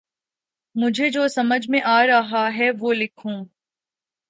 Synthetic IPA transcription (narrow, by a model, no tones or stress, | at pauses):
mʊd͡ʒʱed͡ʒoːsɐməd͡ʒʱmẽʔaːɾɐɦaɦɛʋoːlɪkʰũː